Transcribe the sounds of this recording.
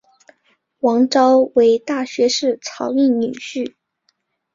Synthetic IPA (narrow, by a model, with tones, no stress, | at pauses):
wɑ˧˥ŋʈ͡ʂɑ˥ʊwe˧˥ɪt̪a˥˩ɕɥɛ˧˥ʂɻ̩˥˩t͡sʰɑ˧˥ʊy˥˩nny˨˩ɕy˥˩